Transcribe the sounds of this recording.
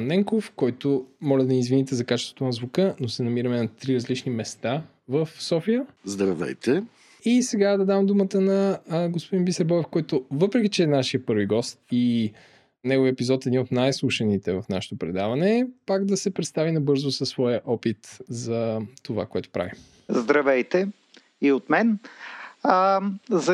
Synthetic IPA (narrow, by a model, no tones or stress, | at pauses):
nɛŋkofkɔjt̪omɔlɛd̪ɐnizvinit̪ɛzɐkat͡ʃɛst̪vo̥t̪onɐzvukənosɛnɐmiɾɐmɛnɐt̪ɾiɾɐzlit͡ʃnimɛst̪a | vəfsɔfijəzd̪ɾɐvɛ̰jt̪ʰɛ | isɛɡad̪ɐd̪amd̪umət̪ənɐɡospod̪inbisɛɾbɔvɛfkɔjt̪ovɤpɾɛk̟it͡ʃɛːnaʃiəpɤɾviɡɔst̪i | nɛɡoviəɛpizɔt̪ɛd̪inot̪najslˠuʃənit̪ɛvɐfnaʃɛ̥t̪opɾɛd̪avɐnɛpaɡd̪ɐsɛpɾɛt̪st̪avinɐbɤɾzʊsəsːvɔjəʔɔpit̪zɐt̪ova̰koɛt̪o̥pɾʔa̰vi | zd̪ɾɐvɛjt̪ɛ | iot̪mɛn | zɐ